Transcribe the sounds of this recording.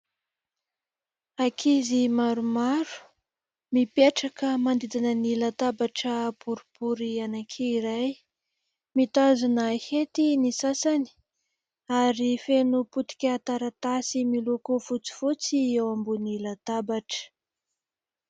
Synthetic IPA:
akʰizimaɾumaɾu̥ | mipeʈ͡ʂakəmand̪id͡z̪anənilat̪abaʈ͡ʂəpuɾupuɾianakʰeiɾaj | mit̪azunahet̪inisasani̥ | aɾifenuput̪i̥kʲat̪aɾat̪asimilukufut͡si̥fut͡siewambunilat̪abaʈ͡ʂə̥

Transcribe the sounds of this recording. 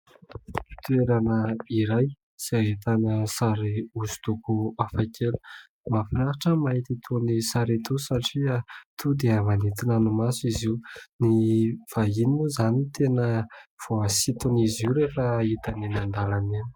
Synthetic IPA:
i̥t̪ueɾanəiɾaj | siaɦit̪anəsaɾiuzu̥t̪ukuafakʰelu̥ | mafiɾaɦaʈ͡ʂəmait̪it̪ʰonisaɾit̪ʰusaʈ͡ʂiat̪ʰud̪eamanit̪inanumasuiziuniv̥aɦiniuzanit̪enəv̥oasit̪uniziuɾefait̪aninand̪alaneni̥

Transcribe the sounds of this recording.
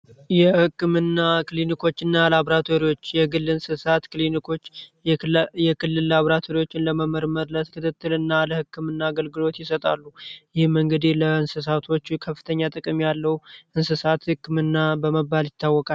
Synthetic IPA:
jɛhɨkːɨmɨnːakʰɨlinikʰo̞t͡ʃːɨnːaləaβɾat̪ʰo̞ɾiwo̞t͡ʃːjɛɡɨlːɨnsɨsat̪kʰɨlinikʰo̞t͡ʃː | jɛkʰɨlːɨlːaβɾat̪ʰo̞ɾiwo̞t͡ʃːɪnləməməɾməɾlət̪kʰɨt̪ʰɨt̪ːɨlɨnːaləhɨkːɨmɨnːaːɡəlɡɨlo̞t̪jɪsət̪ʼa̰lːujɪhɪmɨŋɡɨd̪ihləɨnsɨs̬at̪ʰo̞t͡ʃːkʰəfːɨ̥t̪ʰəɲːat̪ʼɨkʼɨmjalːəwʔɨnsɨsat̪hɨkːɨmɨnːabəməbaljɪt̪ːawːɔkʼa

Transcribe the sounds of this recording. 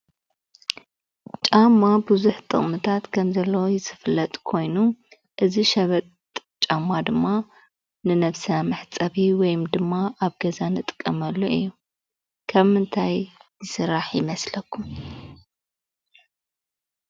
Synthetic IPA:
t͡ʃʼamːabɨzuħt̪ʼɨ̰χʼmɨt̪ʰat̪kʰɐmzɐlːojɪsɨ̥flɐt̪ʼkʰo̞jnu | ʔɨziʃɐβɐt̪ʼt͡ʃʼamːad̪ɨmːa | nɨnɐβsɐamɨħt͡sʼɐβiwɔjumd̪ɨmːaʔaβɡɐzanɨt̪ʼɨ̥kʼːɐmɐlːoʔɨ̰jːu | kʰɐβmɨnt̪ʰajzɨsɨɾːaħjɪmɐslɐkːum

